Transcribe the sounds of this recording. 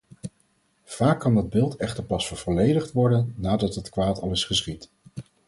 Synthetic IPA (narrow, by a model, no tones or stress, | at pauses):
v̥aːkːɑndɑd̚bɪːlˠtɛχtəɹpɑsfəɹv̥ɔlejdəχtʋɔɹdənːaːdɑtɦətkʋaːtɑlˠɪsχəsχit